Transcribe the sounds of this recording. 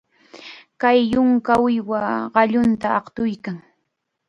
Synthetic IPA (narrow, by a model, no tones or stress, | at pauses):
kajːʊŋkaʊjwaɢɑʎʊnt̪aɑqt̪ʊjkaŋ